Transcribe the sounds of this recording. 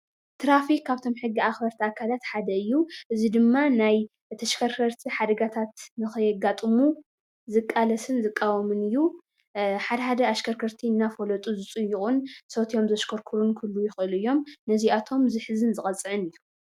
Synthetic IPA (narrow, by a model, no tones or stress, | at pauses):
t̪ʰɾafikʰːaβt̪ʰo̞mħɨɡːiaxbɐɾt̪ʰiakʰalat̪ħad̪ɐɨjːuʔɨzid̪ɨmːanaj | t̪ʰɐʃkʰɐɾkʰɐɾt̪ʰiħad̪ɐɡat̪ʰat̪nɨxɨjɛɡat̪ʼɨmu | zɨkʼːalɐsɨnzɨkʼːawɐmɨnɨjːu | ħad̪ɐħad̪ɐaʃkʰɐɾkʰɐɾt̪ʰinːafolɐt̪ʼuzɨt͡sʼɨjːukʼunsot̪ʰijo̞mzɐʃkʰoɾkʰuɾunkʰulːujɪxʔɨlɨjːo̞mnɐziat̪ʰo̞mzɨħɨzɨnzɨχʼɐt͡sʼːɨʕɨnɨjːu